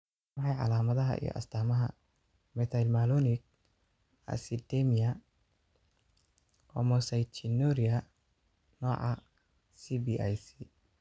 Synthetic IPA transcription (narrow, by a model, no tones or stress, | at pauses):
wɑħɑjʕɑ̰laːmɐðɐɦɐ̰ʔḭjɔ̰ʔɐ̰st̪ʰaːmɐɦɐ̰ | mɛt̪ʰɐlmalɔnɪk̚ | ɐ̰sid̪ɛmijɐ | ɔ̰mɔsɐjt͡ʃʰɪnɔɾiɐ | nɔːʕɑ | sibiʔajsi